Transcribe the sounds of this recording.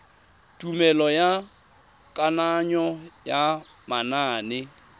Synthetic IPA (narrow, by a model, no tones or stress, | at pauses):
tʼumɛlɔja | kʼanaɲɔja | manaːnɪ